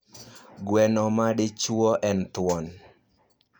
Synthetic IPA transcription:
ɡwɛnɔmadɪt͡ʃwɔʔɛnt̪wɔn

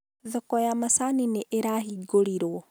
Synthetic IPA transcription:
ðɔkɔjamasanineʔeɾaɦiɡoɾiɾwɔ

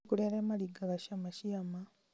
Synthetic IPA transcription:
kuleɾemaliɡaɣaʃamaʃiama

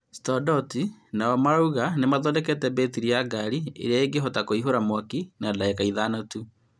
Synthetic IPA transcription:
stɔdɔtinaɔmaɾauɣanemaðɔlɛkɛtɛbetiɾijaɡaɾiḛɾeaeŋɡeɦɔtakoiɦoɾamwakinalaɛkaiðanotu

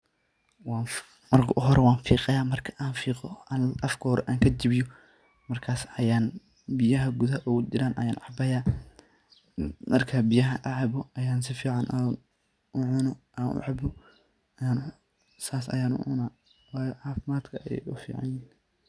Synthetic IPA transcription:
waː | mɐrkʰʔʊɦɔɾɛwɑːnfiːqɐjaːmɐrkʰɐ̥ʔaːnfiːqɔaːnʔɐfkʰɔɾɛʔaːŋkʰɐd͡ʒɪβɪjɔ | mɐrkʰaːsɐjaːn | bɪjɐɦɐɡʊðɐɦɐʔɔd͡ʒɪɾaːnʔɐ̰jaːnʕɑbɐjaː | mɐrkʰaːbɪjɐɦɐʔaʕɑβɔɐjaːnsɪfiːʕɑnʔan | ʔʊʕʊnɔ | aːnʔʊ̰ʕɑbɔ | ɐjaːnʊ | saːsɐ̰jaːnʊ̰ʕʊ̰naː | waːjʕɑːfɪmaːd̪kʰɐjɛ̰jʊfḭːʕɑ̰njiːn

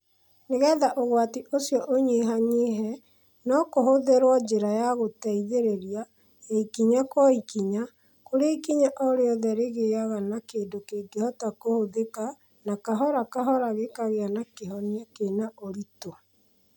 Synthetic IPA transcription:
neɣɛːðaʔoɣwatiʔosjɔʔoɲeɦaɲeɦɛ | nɔkoɦoðeɾwɔd͡ʒeɾajaɣotɛiðeɾeɾja | aikiɲakwɔikiɲa | koɾeikiɲaʔɔɾeɔðɛɾeɣeaɣanakeːndokeːɡehɔtakohoðeka | nakaɦɔɾakaɦɔɾaɣekaɣeanakeɦɔneakenaʔoɾito

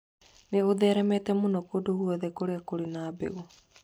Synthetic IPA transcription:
neoðɛːɾɛmɛtɛmonɔkodohuɔðɛkoɾeakoɾinabḛɣo

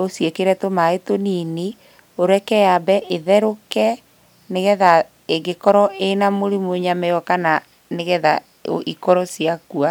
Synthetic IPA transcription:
osiekeɾɛtomaetonini | oɾɛkɛjabɛʔeðɛɾokɛ | neɣɛða | eɡekɔɾɔenamoɾimoɲamɛɔkana | neɣɛða | ikɔɾɔsiakua

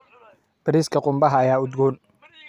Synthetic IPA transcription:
b̥ɐɾiːskʰɐqʊmbɐɦɐːjaːʊd̪ɡuːn

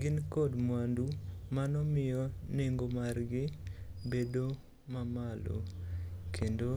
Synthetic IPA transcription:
ɡɪnkɔdmwandumanɔmɪjɔneŋɡomarɡɪbedo | mamalo̰kʰendo

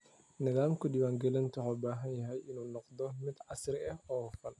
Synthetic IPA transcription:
nɪðaːmkʰʊdɪwaːŋɡɛlɪnt̪ʰʊħoːbaːɦɐnjɐɦɛjɪnuːnɔqd̪ɔmɪd̪ʕɑsrɪɐhɔːfɐn

